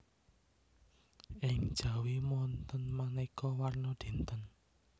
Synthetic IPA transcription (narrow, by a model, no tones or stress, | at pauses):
ʔɪŋ̥ʒ̥ä̤wimɔnt̪ənmanikɔwarnɔɖ̪̥e̤nt̪ən